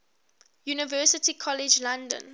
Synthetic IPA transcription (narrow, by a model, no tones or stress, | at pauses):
juːnɪvɜːsɪtikʰɔlɪd͡ʒlãndə̰̃n